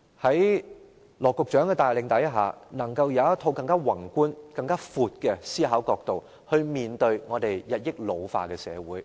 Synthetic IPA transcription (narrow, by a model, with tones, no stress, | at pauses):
hɐ˨˥j | lɔː˨˩kʊ˨k̚t͡ʃœː˨˥ŋɛː˧t̪aː˨jlɪ˨˧ŋt̪ɐ˨˥jɦa̰ː˨nɐ˨˩ŋkɐ˧wjɐ˨˧wɐ˥t̪̚ʰo˧wkɐ˧ŋkaː˥wɐ˨˩ŋkʷuː˥nkɐ˧ŋkaː˥fuː˨t̚kɛː˧siː˥ɦaː˨˥wkɔː˧k̚t̪o˨w | hɵ˧ɥmiː˨nt̪ɵ˧ɥŋɔː˨˧t̪e˨jjɐ˨t̚jɪ˥k̚lo˨˧wfa̰ː˨˩kɛː˧sɛ̰ː˨˧wuː˨˥j